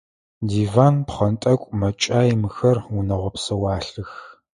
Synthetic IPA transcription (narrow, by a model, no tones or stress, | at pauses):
diːvaːnpχɐntʼɐkʷʼmɐt͡ʃʼaːjmɨxɐrunɐʁʷɔpsɐwɑːɬɨx